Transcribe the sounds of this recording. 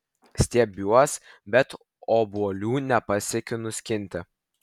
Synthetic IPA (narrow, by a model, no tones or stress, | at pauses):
sʲt̪ʲiɛbʲuɔsbʲɛt̪ | oːbuɔlʲuːnʲɛpɐsʲɛkʲʊnʊsʲkʲɪnʲt̪ʲɪ